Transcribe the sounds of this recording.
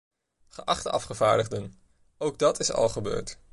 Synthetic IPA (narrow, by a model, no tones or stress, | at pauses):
χəʔɑχtəɑfχəva̰ːɹdəʁdən | owɡ̚dɑtʰɪsɑ̰lˠχəbø̰ːɹt